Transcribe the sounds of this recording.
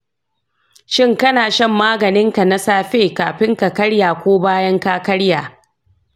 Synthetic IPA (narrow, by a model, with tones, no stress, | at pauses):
ʃɪ˦ŋkɐ˦naː˨ʃɐ˦˨mːaː˦ɡɐ˨nɪ˦ŋka˨na˦saː˦ɸeː˦kaː˨ɸɪ˦ŋka˨kɐ˦ɽjaː˨kʷoː˦baː˦jɐ˦ŋkaː˦kɐ˦ɽjaː˨